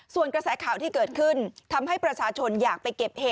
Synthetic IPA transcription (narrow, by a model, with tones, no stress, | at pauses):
su˨˩ənkɾa˧sɛː˩˦kʰaː˨˩wt̪ʰiː˥˩kɤː˨˩t̪̚kʰɯ˥˩nt̪ʰa˧mɦa˥˩jpɾa˧t͡ɕʰaː˧t͡ɕʰo˧njaː˨˩k̚pa˧jke˨˩p̚heː˨˩